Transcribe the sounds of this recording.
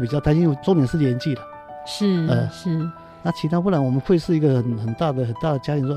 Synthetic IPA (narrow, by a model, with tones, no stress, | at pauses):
pi˨˩t͡ɕɑ˥˧t̪ʰt͡ɕi˥jo˧˩ʊʈ͡ʂo˥miɛ˧˥nʂɻ̩˥˩ljɛ˧˥nt͡ɕi˥˩lə˩ | ʂɻ̩˥˩ə˥˩ʂ̩˥˩ | na˥˩t͡ɕʰi˧˥t̪ʰa˥wu˥˩lwɔ˨˩mə˦xwe˥˧ɪʂɻ̩˥˩i˧˥ɡə˧xə˨˩nxə˨˩nt̪a˥˩d̪ə˩xə˨˩nt̪a˥˩d̪ə˩t͡ɕja˥t̪i˧˥nʂwɔ˥